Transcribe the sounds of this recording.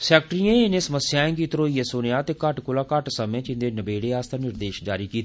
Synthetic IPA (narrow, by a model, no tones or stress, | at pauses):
sɛːk̚ʈɾiãːɪnẽːsəməsɪjaːẽːkit̪ɾoːiːeːsoːnejaːt̪eːkəʈkolaːkəʈsəmẽːt͡ʃɪ̃nd̪eːnəbeːɽeːaːst̪ʰaːnɪɾd̪eːʃd͡ʒaːɾiːkiːt̪ː